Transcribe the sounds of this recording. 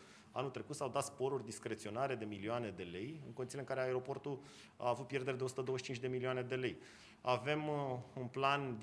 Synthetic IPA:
a̰nult̪ɾe̞kut̪sawd̪at̪spo̞ɾurʲd̪iskɾe̞t̪sio̞naɾe̞d̪e̞milioane̞d̪e̞le̞jɨnŋko̞nisileɨŋkaɾeaeɾo̞po̞rt̪ul | a̰ːvut̪̚pje̞rd̪eɾed̪eo̞sut̪əd̪owəʃt͡ʃint͡ʃʲd̪e̞milioane̞d̪e̞le̞j | ave̞munpland̪

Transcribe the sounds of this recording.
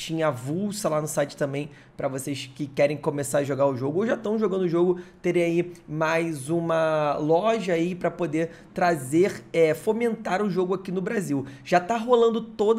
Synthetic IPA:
t͡ʃĩɲɐavuwsɐlanʊsajt͡ʃɪ̥t̪ɐ̃mbẽj̃ | pɾɐvosejskɪkɛɾẽj̃komesaɾɐʒoɡaɾʊʒoɡʊowʒat̪ɐ̃w̃ʒoɡɐ̃nd̪ʊʒoɡʊt̪eɾiaimajzũmɐlɔʒɐaipɾɐpod̪e | t̪ɾazeχɛfomẽnt̪aɾʊʒoɡʊakinʊbɾaziwʒ̥at̪aɦolɐ̃nd̪ʊt̪od̪

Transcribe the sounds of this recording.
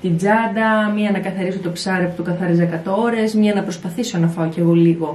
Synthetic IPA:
t̪id͡zɐd̪ɐmiɐnɐkɐθɐɾisot̪o̞psɐɾept̪ukɐθɐɾezɐkɐt̪ooɾe̞zmiɐnɐpɾo̞spɐθiso̞nɐfɐoce̞ɣo̞liɣo̞

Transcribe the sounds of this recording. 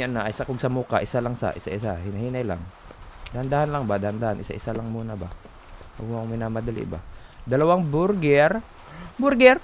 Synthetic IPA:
anːaʔsakoɡsɐmuka̰ʔɪsalaŋsa̰ʔɪsaʔɪsahɪnɐhiːnajla̰ŋd̪ahand̪aːhanlaŋbad̪ɐhand̪aːhanʔɪsa̰ʔɪsalaŋmuːnaba | ʔomŋmɪnaːmɐd̪ɐlḭʔba̰d̪ɐlɐwaŋbʊɾɡɛɾ | bʊɾɡɛɾ

